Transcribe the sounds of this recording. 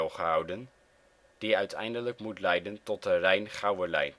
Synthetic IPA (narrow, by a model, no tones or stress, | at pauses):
lˠχəɦɑwdən | d̥iœɥtʰɛ̰jndələkmutlɛjdəntɔt̚ərɛjnχɑwəɹlɛ̰j